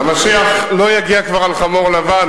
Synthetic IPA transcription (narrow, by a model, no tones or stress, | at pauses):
maʃiaχlo̞jaɡiakvaʁalχamoʁlavan